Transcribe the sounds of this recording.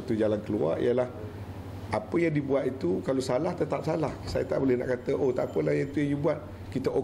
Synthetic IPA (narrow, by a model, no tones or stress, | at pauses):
at̪ud͡ʒalankəlua̰ʔḭəlah | apəjaŋdibuat̪̚it̪ukalosalaht̪ət̪ap̚salahsajət̪aʔbolɛhna̰ʔkat̪əʔot̪apəlahjait̪ujaŋjubuat̪̚ | kit̪əʔo